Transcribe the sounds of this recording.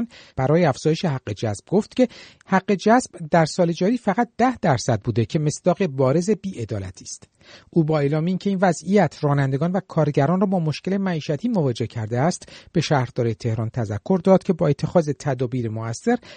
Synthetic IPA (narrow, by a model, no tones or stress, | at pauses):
nb̥æɾɒːjeæfz̥ɒːje̞ʃe̞ɦæɡːe̞d͡ʒæzb̥̚ɡoft̪cʰe̞ | hæɢːe̞d͡ʒæzb̥d̪æɾsɒːle̞d͡ʒɒːɾiːfæʁæt̪̚d̪̥æhd̪æɾsæd̪̚buːd̪e̞cʰe̞me̞sd̪̥ɒːɣe̞bɒːɾe̞ze̞biːʔe̞d̪ɒːlæ̰t̪ʰi̥ːst̪ | ʔuːbɒːelɒːmeiːncʰe̞iːnvæzijæt̪ʰrɒːnænd̪e̞ɡɒːnvækʰɒːɾɟæɾɒːnrɔːbɒːmo̞ʃke̞le̞mæiːʃæt̪ʰiːmo̞vɒːd͡ʒe̞cʰæɾd̪eæst̪b̥e̞ʃæːhɾd̪ɒːɾet̪ʰe̞hɾɒːnt̪ʰæzækʰːo̞ɾd̪ɒːd̪̥̚cʲʰe̞bɒːe̞t̪ʰːe̞xɒːze̞t̪ʰæd̪ɒːbiːɾemoæsːe̞ɾ